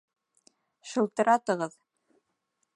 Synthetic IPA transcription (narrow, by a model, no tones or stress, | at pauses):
ʃɤ̆lˠt̪ɤ̆ɾʔɑt̪ɤ̆ʁɤð